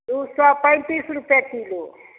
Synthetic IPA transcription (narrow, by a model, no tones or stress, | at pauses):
uswapaj̪̃t̪isɾupjakʰilo